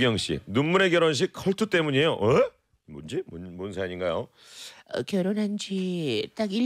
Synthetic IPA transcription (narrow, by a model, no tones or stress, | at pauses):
ɡjʌŋɕ͈ḭnunmune̞ɡjʌɾʌnɕ̬ʰik̚kʰʌɭtʰut͈e̞muɲiejoʔe | mond͡ʑimonmonsʰaɲinɡajo | ʌ̰kjʌɾonɦand͡ʑit͈aɡi